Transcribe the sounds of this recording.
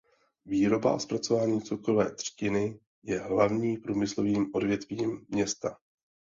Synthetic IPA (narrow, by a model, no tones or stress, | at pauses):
viːɾo̞ba̰spɾat͡so̞vaːɲiːt͡sukɾovɛːt̪r̝̥cɪnɪ | jɛɦlavɲiːpɾuːmɪslo̞viːmʔo̞dvjɛt̪viːmːɲɛst̪a